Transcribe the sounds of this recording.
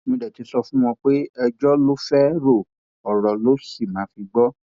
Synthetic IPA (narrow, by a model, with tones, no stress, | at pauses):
mĩ˧dɛ˨ti˧sɔ˧fũ˦w̃ɔ̃˧k͡pe˦ɛ˧d͡ʒɔ˦lo˦fɛ˦ɾo˦˨ | ɔ˨ɾɔ˨lo˦si˦˨mã˨˦fi˧ɡ͡bɔ˦